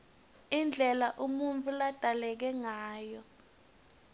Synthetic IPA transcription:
ind͡ɮʱɛlaʔumuɱvulad̥ʱalɛk̬ɛŋaːjɔ

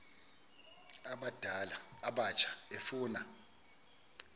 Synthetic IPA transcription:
aɓad̥ʱalaːɓat͡ʃʼʰḁefuːna

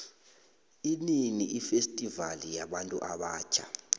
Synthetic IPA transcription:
ininiʔifestʼivalijaɓantʼuʔaɓaːt͡ʃʰa̰

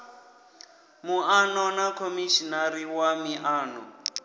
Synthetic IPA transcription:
muʔanɔnakʰomiʃinaɾiwamiʔaːnɔ̰

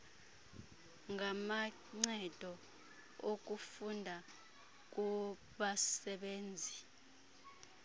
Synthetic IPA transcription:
ŋama | ŋ͡ǀɛd̥ʱɔ | ok̬ufundʱa | k̬ʼu | ɓasɛɓeːnd͡zʱi

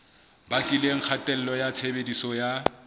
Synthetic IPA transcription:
bakʼɪleŋ̩k͡xʰatʼɛl̩lɔjat͡sʰebedisɔja

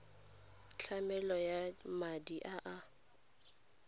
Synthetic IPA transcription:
t͡ɬʰamɛlɔjamadiʔaʔa

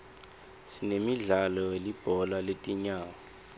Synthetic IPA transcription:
sinemiɮalɔelib̥ʱɔlaletʼiɲaːwɔ

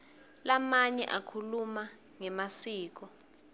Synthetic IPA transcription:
lamaɲɛʔakʰuluma | ŋɛmasiːk̬ɔ

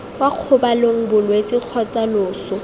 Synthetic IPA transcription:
waq͡χʰʊbaloŋ̩bʊlwet͡sʼiq͡χʰɔt͡sʼalʊːsɔ

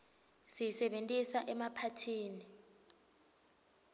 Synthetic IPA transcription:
sijisɛɓentʼisaʔɛmapʰatʰiːni

